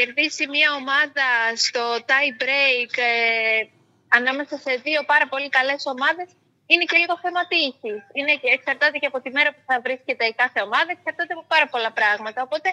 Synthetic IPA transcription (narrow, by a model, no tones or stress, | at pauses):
e̞ɾðisimɲɐo̞mɐðɐst̪o̞t̪ɐjbɾejk | ɐnɐme̞sɐse̞ðio̞pɐɾɐpo̞likɐle̞so̞mɐðe̞s | ine̞ce̞liɣo̞θe̞mɐt̪isisine̞ːksɐɾt̪ɐt̪e̞ceɐpo̞t̪ime̞ɾɐpuθɐvɾisce̞t̪e̞kɐθe̞o̞mɐðɐeksɐɾt̪ɐt̪eɐpopɐɾɐpo̞lɐpɾɐɣmɐt̪ɐopo̞t̪e̞